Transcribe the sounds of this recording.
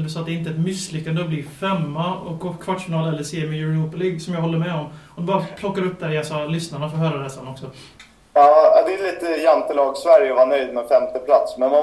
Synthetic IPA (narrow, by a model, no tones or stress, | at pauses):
d̪ɵsɑːt̪̚d̪ɛɪnt̪əɛt̪mɪsːlʏkːand̪əɔbliːfɛmːaɔokʰvaʈːʂfɪnɑːlɛlːəseːɛmɛjʉɾnuːpəliːɡsɔmjɑɡɦɔlːəɾmɛɔmɔmd̪bɑːɾapʰlɔkːaɾɵp̚ːd̪æɾɪasɔlʏsnaɳafɔɾɦøːɾaɾɛsanɔksɔ | ɑːad̪ɛliːt̪əjant̪əlɑːɡsvæɾjəɔvaɳœjd̪mɛfɛmt̪əpʰlat̪smɛna